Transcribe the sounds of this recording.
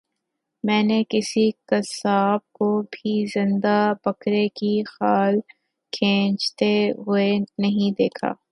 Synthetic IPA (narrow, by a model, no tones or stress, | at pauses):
mɛ̃ːnekɪsikɐsaːb̚kobʱizɪ̃nd̪abɐkɾekixaːl | kʰẽːt͡ʃt̪eɦʊenɐɦĩd̪eːkʰa̰ː